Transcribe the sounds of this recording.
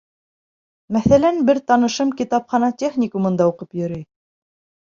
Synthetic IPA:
mæθælænbɘɾt̪ɑnɤ̆ʃɤmkʲit̪ɑpχɑnɑtʲeχnʲikumɤ̆nd̪ɑuqɤpjɵ̆ɾɘj

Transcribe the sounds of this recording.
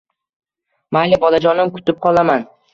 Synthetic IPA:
malɪbɒlad͡ʒɒnɪmkʰʊ̥t̪ɪp̚qʰɒlˠaman

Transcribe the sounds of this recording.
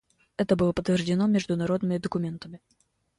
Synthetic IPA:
ɛt̪əbɨlˠəpət̪vʲɪrʐdʲɪnomʲɪʐd̪ʊnɐɾo̞d̪nəmʲɪd̪əkʊmʲe̞nt̪əmʲɪ

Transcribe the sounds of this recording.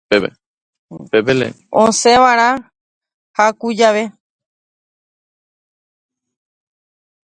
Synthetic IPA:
pebḛ | pepelḛ | õsẽʋaɾ̃ã | hakud͡ʒaʋe

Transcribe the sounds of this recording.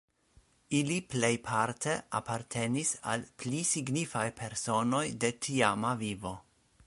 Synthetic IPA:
iliple̞jpʰaɾt̪ʰe̞apaɾtʰe̞nisa̰lplisiɡnifajpʰe̞ɾso̞no̞jde̞tʰiamavivo̞

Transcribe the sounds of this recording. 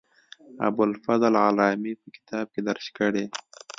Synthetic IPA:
a̰bʊlfazlʕalɑmipəkɪ̥t̪ʰɑb̚ked̪aɾʃkəɽe

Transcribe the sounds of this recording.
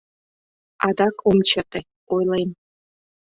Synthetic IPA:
ɑd̪ɑkʰomt͡ɕɤ̆t̪e | ojlˠem

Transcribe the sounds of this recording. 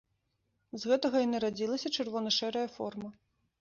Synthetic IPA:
zɣɛt̪ɐɣɐinɨɾad͡zʲilˠɐsʲɐt͡ʂɨrvɔnɐʂɛɾɐjɐfɔ̰rmɐ

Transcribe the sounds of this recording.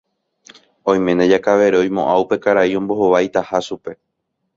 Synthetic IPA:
õ̞j̃mẽ̞ned͡ʒakaʋe̞ɾeõ̞j̃mõ̞ʔawpe̞kaɾaiõ̞mbo̞ɦo̞ʋajt̪ahaʃupe̞

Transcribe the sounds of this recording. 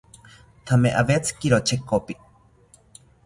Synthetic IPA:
t̪ʰameʔaβet͡sɨ̥kiɾot͡ʃʰekopi

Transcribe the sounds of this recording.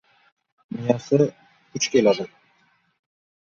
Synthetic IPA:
mɪjasɪ | ʊt͡ʃkʲe̞lad̪ɪ

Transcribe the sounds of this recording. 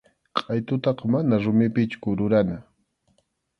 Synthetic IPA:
qʼɑjt̪ʊt̪ɑqɑmanaɾʊmɪpɪt͡ʃkʊɾʊɾana

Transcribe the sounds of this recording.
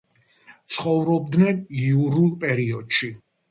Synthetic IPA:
t̪sʰχɔvɾɔb̚d̪nɛnijuɾulˠpʼɛɾiɔd̪̥ʃi

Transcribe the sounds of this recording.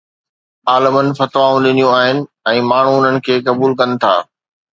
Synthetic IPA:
aːləmənɪ̆fɐt̪ʋaːũɗɪnijũaːɦɪnɪ̆ | ɛ̃ːmaːɳ̤ũʊn̤ənɪ̆kʰeːkɐbuːlkɐnɪ̆t̪ʰa̰ː

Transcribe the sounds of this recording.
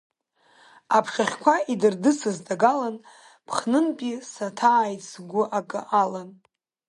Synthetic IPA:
apʰʂaχʲkʷʰaidɨrdɨsɨzdaɡalan | pʰχnɨnpʼisatʰaːjt͡sʰɡʷʊʔakʼɨʔalan

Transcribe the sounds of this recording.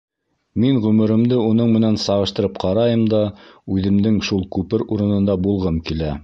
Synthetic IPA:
miŋʁɵ̆mɘ̆ɾɘ̆md̪ɘunɤɴmɘ̆nænsɑʁɤ̆ʃt̪ɤ̆ɾɤpqʰɑɾɑjɤmd̪ɑʉðɘ̆md̪ɘŋʃulˠkʉpɘɾuɾɤ̆nɤ̆nd̪ɑbulˠʁɤmkilæ

